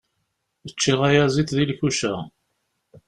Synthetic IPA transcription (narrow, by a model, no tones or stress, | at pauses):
ət͡ʃːiʁæjæziθðilçuʃæ